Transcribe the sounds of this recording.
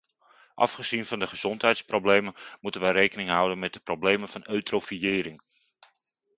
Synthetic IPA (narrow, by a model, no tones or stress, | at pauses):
ʔɑ̰fχəz̥invɑndəχəz̥ɔntɦɛjtsproblejmənmutənʋərejkənɪŋɦʌwdənmɛt̚dəprowblejmənv̥ɑnøɥtrofiɪːɾɪŋ